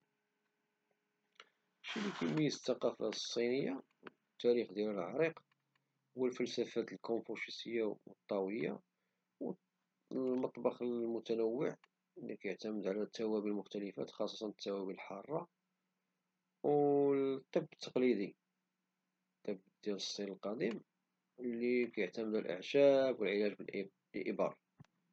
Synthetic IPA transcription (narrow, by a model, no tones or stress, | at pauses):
ʃilːikæmijəst̪ːɑqɑfæ̰sˤːinəjːa | t̪ːæɾixd̪jæləlʕɑ̰ɾˤiq | wəlfəlsæfæt̪əlkonfuʃisəjːawət̪ˤːɑwəjːa̰ | w | mɑt̪ˤbɑxəlmʊt̪ænəwːəʕ | lːikæjəʕt̪æməd̪ʕalæt̪ʰːæwæbilmʊxt̪æləfæ̰t̪xɑsˤːɑt̪ɑnt̪ːæwæbilħɑrˤːɑ | wt̪ˤːibːət̪ʰːɑqlid̪i | t̪ˤːəbd̪jæləsˤːiləlqɑd̪im | likæjəʕt̪æməd̪ælʔə̰ʕʃæbwəlʕəlæʒbəlʔ | əlʔəbɑ̰ɾˤɑ